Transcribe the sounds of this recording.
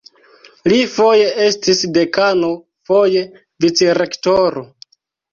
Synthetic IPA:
lifo̞je̞e̞stisde̞kano̞ | fo̞je̞ | vit͡seɾe̞ktoɾo

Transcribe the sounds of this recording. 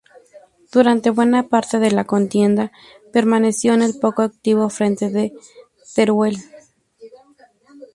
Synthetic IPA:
d̪̥uɾant̪eβwe̞napaɾt̪eðe̞lakont̪je̞nd̪a | pe̞ɾmane̞sjo̞ene̞lpokoak̚t̪iβofɾe̞nt̪eðe | t̪eɾwel

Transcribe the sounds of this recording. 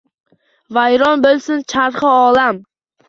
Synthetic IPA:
vajɾɒnbolˠsɪnt͡ʃʰaɾχɨɒlam

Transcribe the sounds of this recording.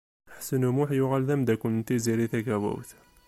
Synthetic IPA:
ħsənumʊħjʊʁælðæmd̪ækʊnt̪iziɾiθæɡæwæ̰wθ

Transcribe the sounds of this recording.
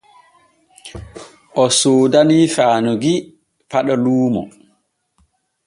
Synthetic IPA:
ʔɔsoːdanifaːnuɡi | paɗɔluːmɔ̰

